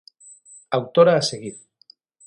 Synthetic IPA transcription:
awt̪oɾaːseɣ̞iɾ

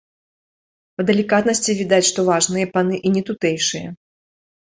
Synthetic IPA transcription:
pɐd̪ɐlʲikat̪nɐsʲt͡sʲivʲid̪at͡sʲʂt̪ɔvaʐnɨjɛpanɨʔinʲɛt̪ut̪ɛjʂɨjɐ̰

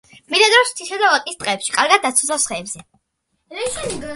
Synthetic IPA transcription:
milad̪ɾɔst̪sʰisɛd̪avakʼist̪ʼqʼɛːpʃi̥kʼaɾɡad̪̚d̪ːat̪sʰu̥t̪sʰasχɛːbz̥ɛ | ɾɛʃɛn

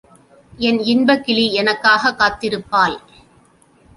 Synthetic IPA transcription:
ɛnɪnbɐkːɪliɛnɐkːaːɣɐkːaːt̪ːɪɾɯpːaːl

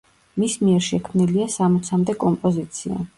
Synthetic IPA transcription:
mismiɛɾʃɛkʰmniliasamɔt̪sʰamd̪ɛkʼɔmpʼɔzit̪sʰia̰

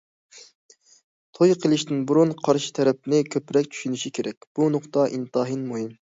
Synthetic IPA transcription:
t̪ʰojqʰəlˠɪʃt̪ɪnbuɾunqʰɑɾʃɪ̥t̪ʰɛɾɛp̚nɪkʲʰøpɾɛkʲt͡ʃʰy̥ʃynɪʃikʲʰeɾɛk̚ʲb̥unʊqt̪ɑʔint̪ɑɦɨnmuɦim

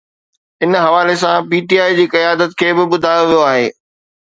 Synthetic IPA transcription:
ɪnɦɐʋaːles̬ãpiːʈiaːid͡ʑiːkɐjaːd̪ət̪̚kʰeːbɪɓʊd̪ʱaːjoʋijoaːɦḛː

